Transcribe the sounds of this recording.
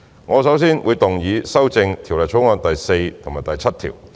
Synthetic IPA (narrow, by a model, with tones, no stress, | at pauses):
ŋɔː˨˧sɐ˨˥wsiː˥nwuː˨˧jt̪ʊ˨˩ŋjiː˨˧sɐ˥wt͡sɪ˧ŋt̪ʰi˨˩wlɐ˨jt͡sʰo˨˥wŋɔː˧nt̪ɐ˨jse˧jt̪ʰʊ˨˩ŋmaː˨˩t̪ɐ˨jt͡sʰɐ˥t̚t̪ʰḭː˨˩w